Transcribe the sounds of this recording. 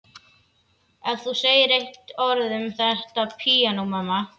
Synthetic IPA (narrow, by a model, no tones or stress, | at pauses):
ɛðθuseːjɪɾejht̪ɔɾðʏmθɛr̥t̪apʰiːanowmamːa